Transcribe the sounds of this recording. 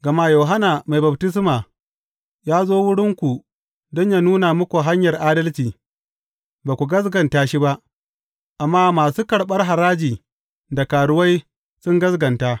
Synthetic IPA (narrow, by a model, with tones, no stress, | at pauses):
ɡɐ˨ma˦jo˨ɦa˦na˨ma˨jba˨btɪ˦s̬maː˨ | jaː˦zoː˦wʊ˦ɽɪ˦ŋkʷu˨ | dɔ˦ɲja˦nuː˦na˨mʊ˦kʷu˨ɦa˦ɲjɐ˨rʔaː˦dɐ˦lt͡ʃiː˨ | baː˨kʷu˨ɡɐ˦s̬ɡɐ˨ntaː˦ʃi˦ba˦ʔ | ʔa˨mːaː˦maː˨suː˦kɐ˨ɽɓɐ˦rɦa˨ɾaː˦d͡ʒiː˨ | da˨kaː˨ɽʊ˦wa˦j | sʊ˦ŋɡɐ˦sɡɐ˨ntaː˦